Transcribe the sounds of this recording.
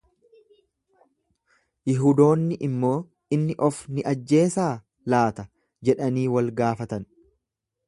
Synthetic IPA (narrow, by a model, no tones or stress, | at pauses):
jɪɦuːd̪o̞ːnːɪʔɪmːo̞ː | ɪnːɪʔɔfnɪʔɐd͡ʒːe̞ːsaː | laːt̪ɐ | d͡ʒɛᶑɐniːwɐlɡaːfɐt̪ɐn